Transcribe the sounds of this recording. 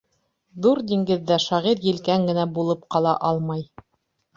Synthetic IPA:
ðuɾd̪iŋɡɘ̆ðːæʃɑʁiɾjɘ̆lkæŋɡɘ̆næbulˠɤp̚qɑlˠɑʔɑlˠmɑj

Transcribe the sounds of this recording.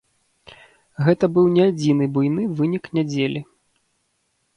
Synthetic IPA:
ɣɛt̪ɐbɨwnʲɛad͡zʲinɨbujnɨvɨnʲiknʲad͡zʲelʲi

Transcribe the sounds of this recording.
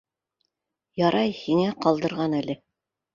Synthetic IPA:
jɑɾʔɑjhiŋæqɑlˠd̪ɤ̆ɾʁɑnælɘ

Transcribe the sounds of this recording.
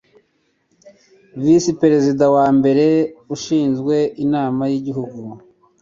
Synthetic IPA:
visipe̞ɾe̞zidawaːmbe̞ɾe̞uʃiːnzɡwe̞inaːmajiɟiɦuɡu

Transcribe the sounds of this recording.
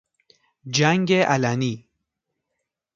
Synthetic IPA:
d͡ʒaŋɡeʔalani

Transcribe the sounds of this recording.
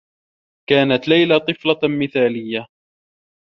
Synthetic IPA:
kaːnat̪lajlat̪ˤɨflɑmɪθaːlɪjːa

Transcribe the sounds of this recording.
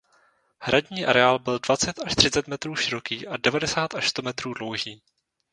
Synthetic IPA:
hɾʔaɟɲiːʔaɾɛaːlbɪldvat͡sɛt̪aʃt̪r̥ɪt͡sɛt̪mɛt̪ɾuːʃɪɾo̞kiːʔadɛvadɛsaːt̪aʃst̪o̞mɛt̪ɾuːdlo̞wʒiː

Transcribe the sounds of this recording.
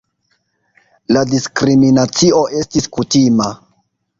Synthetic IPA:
ladiskɾiminat͡sio̞ʔe̞stiskutima

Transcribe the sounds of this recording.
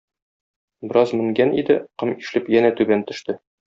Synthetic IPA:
bɘ̆ɾɑzmɘ̆ŋɡænḭd̪ɘqɤmiʃlɘpjænæt̪ʉbænt̪ɵ̆ʃt̪ɘ

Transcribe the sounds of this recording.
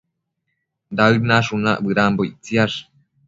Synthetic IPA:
d̪aɯnaʂunaʔbɨɾambojt͡siaʂ

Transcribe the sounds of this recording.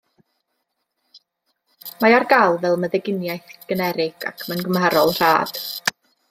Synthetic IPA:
maarɡalˠvɛlˠməðɛɡɪnjajθɡ̥ənɛɾɪɡ̥a̰kʰmənɡəmaɾɔlˠr̥a̰ːd̥

